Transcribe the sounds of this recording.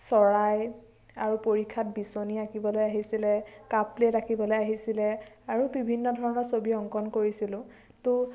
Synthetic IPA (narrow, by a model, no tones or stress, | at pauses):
sɔɹaj | aɹupoɹikʰːat̚bisoniakibɔlojaɦisilɛkapletakibɔlojaɦisilɛ | aɹubibʱinːɔdʱɔɹɔnɔɹsobiɔŋkɔnkoɹisilʊ̃ | tʊ